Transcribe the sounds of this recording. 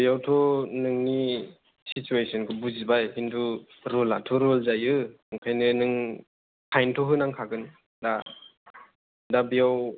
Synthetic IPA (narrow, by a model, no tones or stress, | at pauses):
bijawtʰɔnɯŋni | situesʰɔnkʰɯbuzibajɦindu | ɾɔla̰tʰɔɾɔlzajɯ | ɯŋkʰajnɯnɯŋ | kʰajntʰɔɦɯnaŋkʰaɡɯn | da | dabijaw